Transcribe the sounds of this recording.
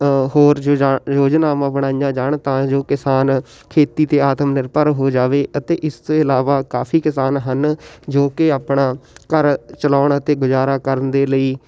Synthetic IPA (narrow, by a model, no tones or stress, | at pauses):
ɦoːɾjoːd͡ʒnaːmãːbəɽ̃aːijãːd͡ʒaːɳt̪ãːd͡ʒoːkɪsaːn | kʰeːt̪iːt̪eːaːt̪əmnɪɾpəɾɦoːd͡ʒaːʋeːʔət̪eːʔɪst̪õːɪlaːʋaːkaːpʰiːkɪsaːnɦənd͡ʒoːkɪaːpɳaːkəɾt͡ʃəlaːɳət̪eːɡʊzaːɾaːkəɾənd̪eːləiː